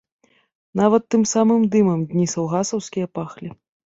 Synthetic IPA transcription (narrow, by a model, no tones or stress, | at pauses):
navɐt̪ːɨmsamɨmd̪ɨmɐmd̪ʲnʲisɐwɣasɐwskʲijɐpaxlʲi